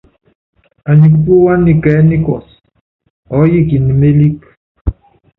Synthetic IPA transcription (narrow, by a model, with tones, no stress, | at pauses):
a˨ɲi˨k̬u˦p̬u˦wa˦ni˨kɛ˨˦ni˦kɔ˨s | ɔ˨˦ji˦ki˨ni˨me˦li˦k